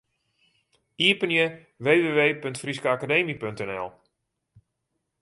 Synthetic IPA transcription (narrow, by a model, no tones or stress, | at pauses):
iəpənjə | ʋeːʋeːʋeːpøntfriskəakadeːmipøntɛnɛ̰lˠ